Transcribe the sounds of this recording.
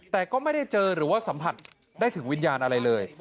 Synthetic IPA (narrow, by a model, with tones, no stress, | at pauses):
t̪ɛː˨˩kɔː˥˩ma˥˩jda˥˩jt͡ɕɤː˧ɾɯː˩˦waː˥˩sa˩˦mpʰa˧˩t̪̚ | daː˥˩jt̪ʰɯ˩˦ŋwi˦˥njaː˧nʔa˧ɾa˧jlɤː˧j